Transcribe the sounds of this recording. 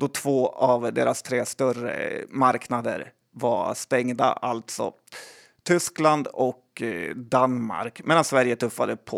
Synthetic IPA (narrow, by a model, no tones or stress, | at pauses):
d̪ɔt̪ʰvoːavd̪eːɾast̪ʰɾeːst̪œrə̰maɾknad̪ə̰ɾ | vast̪ɛŋd̪a̰alt̪sɔ̰ | t̪ʰʏskland̪ɔkd̪anma̰ɾkmeːd̪ansvæɾjət̪ʰɵfːad̪əpʰɔ